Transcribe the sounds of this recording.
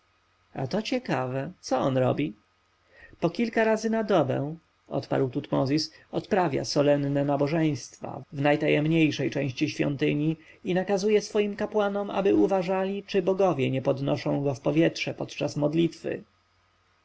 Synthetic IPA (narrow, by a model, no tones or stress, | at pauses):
a̰t̪ɔt͡ɕɛkavɛt̪sɔɔnɾɔbʲi | pɔkʲilkaɾazɘnad̪ɔbɛ̰̃ | ʔɔ̰t̪pa̰ɾwt̪ut̪mɔzʲisɔt̪pɾavʲja̰sɔlɛnnɛnabɔʐɛj̃st̪fa̰vnajt̪ajɛmɲejʂɛjt͡ʂɛ̃w̃ɕt͡ɕiɕfʲjɔ̰nt̪ɘɲi | inakazujɛsfɔjimkapwanɔmʔa̰bɘuvaʐalʲit͡ʂɘbɔɡɔvʲjɛɲɛpɔd̪nɔʂɔ̃w̃ɡɔfpɔvʲjɛtʂɛpɔt̪t͡ʂasmɔd̪lʲit̪fɘ̰